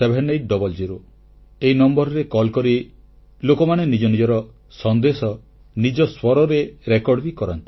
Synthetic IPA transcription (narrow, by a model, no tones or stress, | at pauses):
ebʱenːejʈ̚ɖɔbɔld͡ʒiɾo | eɦinɔmbɔɾɔɾekɔlkɔɾi | lokɔmaɽ̃enid͡ʒɔnid͡ʒɔɾɔ | sɔnd̪esɔ | nid͡ʒɔswɔɾɔɾeɾekɔɽbikɔɾant̪i̥